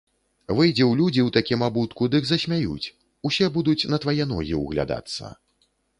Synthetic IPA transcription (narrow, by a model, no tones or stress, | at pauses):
vɨjd͡zʲɛwlʲud͡zʲiwt̪akʲimabut̪kud̪ɨɡzɐsʲmʲajṵt͡sʲ | usʲɛbud̪ut͡sʲn̪ɐt̪vajɛn̪ɔ̰ɣʲḭwɣlʲa̰d̪a̰t̪sːɐ̰